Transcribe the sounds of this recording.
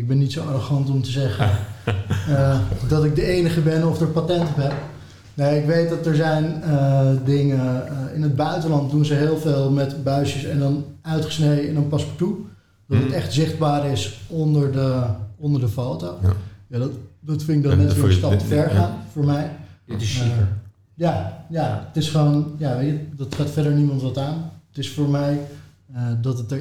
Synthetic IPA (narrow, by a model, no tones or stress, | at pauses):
ɪɡ̚bɛnːitsowɑroχɑntɔmtəzɛχən | dɑtɪk̚dəejnəχəbɛnɔfdəɹpatɛntɔpɦɛp | nojɪkʋejt̚dɑtəɹzɛjnədɪŋəɪnəd̚bœɥtəlɑnt̚dunzəɦɪːlˠveːlˠmɛtbœɥsəsɛndɑnœɥtχəsnejdəɪnɑnpɑspɔɹtu | d̥ɑtətɛχtzɪχd̚baːɾɪsɔndəɹdəɔndəɹdəfowtowjadtdɔtfɪɪɡ̚dɔtnɛtɪstɑp̚təfɛɹχaːnfʊːɹmɛj | jajaətɪsχəʋonjaʋejtədɑtχaːtfɛdəɹnimɑntʋɑtaːnətɪsfʊːɹmɛj | dɑtət